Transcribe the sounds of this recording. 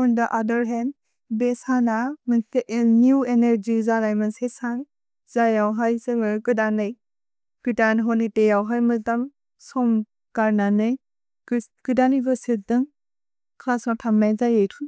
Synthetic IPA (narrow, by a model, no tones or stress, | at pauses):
ɔndɐʔadəɾɦɛnd | besanamɐnjueneɾd͡ʒizalajmɐnsesaŋ | zajawɦajsɯŋɯkɯdanɯj | ɡ̥itanɦɔnitejawɦajmɯtɐm | sɔm | kaɾnanɯj | kɯdanibəsidɯŋ | kʰlasɔtʰamnajzajejtʰu